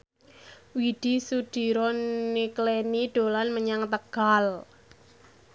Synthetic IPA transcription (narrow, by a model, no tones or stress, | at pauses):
wiɖ̥i̤suɖ̥i̤ɾɔnːikleniɖ̥o̤lanməɲaŋt̪əɡ̥al